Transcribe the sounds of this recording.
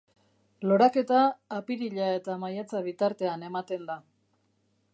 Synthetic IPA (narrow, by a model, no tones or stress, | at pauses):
lo̞ɾake̞t̪aːpiɾiʎae̞t̪amajat͡saβ̞it̪aɾt̪e̞ane̞mat̪e̞nd̪a